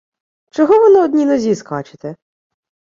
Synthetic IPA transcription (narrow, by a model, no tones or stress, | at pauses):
t͡ʃɔɦɔʋɔnɪɔd̪ʲnʲinɔzʲiskɑt͡ʃɪ̥t̪ɛ